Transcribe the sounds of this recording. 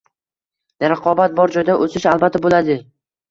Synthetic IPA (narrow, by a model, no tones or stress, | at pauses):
ɾaqʰɒbat̪̚bɒɾd͡ʒɒjd̪aʔosɪʃalˠbat̪ʰːabolad̪ɪ